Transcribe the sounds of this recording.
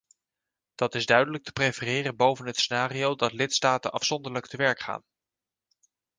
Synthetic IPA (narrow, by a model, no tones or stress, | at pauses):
d̥ɑtɪzdœɥdələk̚tʰə̥prefərɪːrənbowvənɦətsenaːriowdɑtlɪtstaːtə̰nʔɑfsɔndəɹlək̚təʋɛɹkχa̰ːn